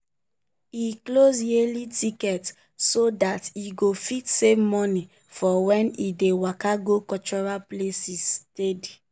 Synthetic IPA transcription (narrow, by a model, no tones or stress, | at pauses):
iklozjelitikɛt | sodatiɡofitsevmɔni | fɔwɛ̃nidewakaɡokɔt͡ʃɔɹaplesisted